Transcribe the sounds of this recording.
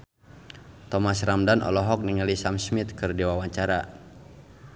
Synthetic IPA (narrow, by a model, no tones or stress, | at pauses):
t̪ɔmasramdanʔɔ̰lɔɦɔk̚niŋalisamsmit̪̚kɨrdiwawaɲt͡ʃaɾa